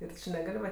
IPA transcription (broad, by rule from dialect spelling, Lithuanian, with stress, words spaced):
ɪr ˈt͡ʃʲɪ nʲɛˈɡɐlʲ ʋɐ